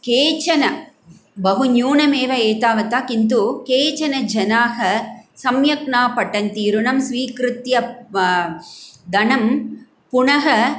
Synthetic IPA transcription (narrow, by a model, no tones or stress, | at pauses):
keːt͡ʃɐnɐ | bɐɦunjuːɳɐmeːʋɐeːt̪aːʋɐt̪aːkint̪̬ukeːt͡ʃɐnɐd͡ʒɐnaːɦɐsɐmjɐkɳaːpɐʈːɐnt̪iːɾunɐmsʋiːkɾɯt̪jɐ | d̪ɐnɐm | pʊɳɐɦɐ